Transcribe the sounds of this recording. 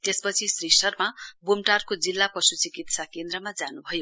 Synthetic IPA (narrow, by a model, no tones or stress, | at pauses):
t̪espʌt͡sʰisrisʌrmabumʈarkod͡zilːapʌsut͡sikit̪sakend̪rʌmad͡zanubʱʌjo